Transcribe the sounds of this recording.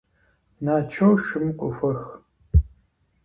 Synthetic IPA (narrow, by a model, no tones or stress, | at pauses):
naːt͡ʃʰɐwʃɨmkʷʼʊxʷɐx